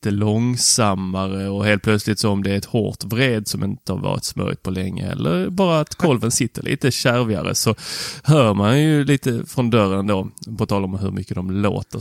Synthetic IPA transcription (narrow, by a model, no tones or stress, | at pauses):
t̪əlɔŋsamːaɾəɔheːlt̪pʰlœt̪slɪt̪sɔɔmd̪ɛæɾɛt̪ho̰ːt̪vɾeːd̪sɔmɪnt̪əhaɾvɑ̰ːɾɪ̰t̪smœ̰ɾɪ̰t̪pʰɔlɛŋːə̰ɛ̰lːəɾbɑːɾaːt̪kʰɔlvənsɪt̪ːəlʔḭːt̪əɕæɾvɪa̰ɾə̰sɔhœːmanjɵliːt̪əfɾɔnd̪œɾənd̪oːpʰɔt̪ʰɑːlaɾɔmaɦɵɾmʏkːəd̪ɔmlo̰ːt̪ə